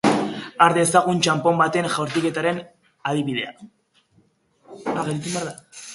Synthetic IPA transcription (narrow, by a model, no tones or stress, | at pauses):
aɾðesaɣ̞unt͡ʃampo̞mbat̪e̞ŋʝawɾt̪ike̞t̪aɾe̞n | aðiβiðe̞a̰ | aɣet̪it̪umbeaɾða